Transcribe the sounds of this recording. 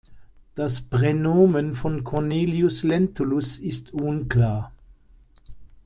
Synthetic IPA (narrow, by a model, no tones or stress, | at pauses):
d̥aspʁɛnoːmənfɔnkʰɔɐneːljʊslɛntʊlʊsɪstʰunklaːɐ